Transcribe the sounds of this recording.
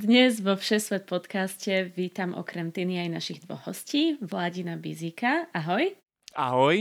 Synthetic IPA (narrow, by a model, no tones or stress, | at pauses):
d̪ɲɛzʋɔfʃɛsʋɛt̪̚pɔt̪kascɛʋiːt̪amʔɔ̰kɾɛmt̪iniajnaʃiɣd̪ʋɔ̰ɣɦɔsciːʋlaɟinabḭziːkaaɦɔj | a̰ɦɔj